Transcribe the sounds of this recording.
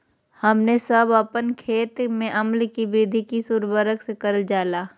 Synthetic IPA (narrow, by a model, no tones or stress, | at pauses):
hɐmnesɐbəpənkʰeːt̪mẽʔɐmlkibɾɪd̪ʱikisuːɾbəɾəksekɐɾld͡ʒaːlaː